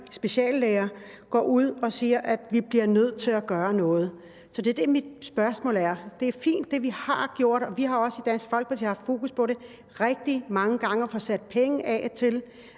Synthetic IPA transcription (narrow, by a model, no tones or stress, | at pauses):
sb̥e̝ɕɛ̰ːlːeːɐː | ɡ̥ɒ̰ːuð̞̰ˠɒ̽siːɐʔæd̥ʋib̥liɐnøð̞̰ˠt͡sʰe̝læɡ̥ɶːɐnɔ̽ːð̞̩ˠ | sɒ̽d̥eɐd̥emid̥sb̥ɶɐsmɔ̰ːlæɐd̥e̝æɐfḭːnd̥ːe̝ʋihɑ̈ɡ̥jo̝ɐ̰d̥ɒ̽ʋiɦɑ̈ɒ̽səid̥æn̰sɡ̥fɒ̽l̰ɡ̚pʰɒsiɑfd̥fo̝̰ːkuspʰɒ̽ɾe̝ | ʁɛɡ̥̚d̥imɑ̈ŋəɡ̥ɑ̈ŋɐfɒ̽sæd̥̚pʰeŋəʔɛ̰t͡sʰe̝l